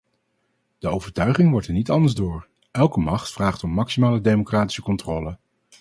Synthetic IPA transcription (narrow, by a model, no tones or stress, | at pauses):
d̥əowvəɹtœɥχɪŋʋɔɹtɛɹnitɑndəɹzdʊːɹ | ʔɛlˠkəmɑχtfraːχtɔmːɑksimaːlədejmokraːti̥səkɔntrɔːlə